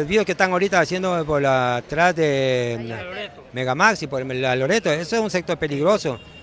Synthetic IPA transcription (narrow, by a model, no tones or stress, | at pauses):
ozβioskest̪aŋaoɾit̪aːsje̞nd̪opoat̪ɾazðe | me̞ɣamaksipoɾmelaloɾet̪oesoesunsek̚t̪o̞ɾpe̞liɣɾoso